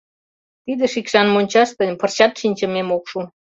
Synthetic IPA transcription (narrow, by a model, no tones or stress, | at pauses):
t̪id̪ə̆ʃikʃɑnmonʲt͡ɕɑʃt̪ə̆nʲpərt͡ɕɑt̪ʃinʲt͡ɕə̆memokʃu